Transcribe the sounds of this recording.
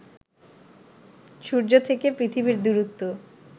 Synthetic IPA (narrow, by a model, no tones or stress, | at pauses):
ʃuɾd͡ʑot̪ʰekepɾit̪ʰibiɾd̪uɾut̪ːo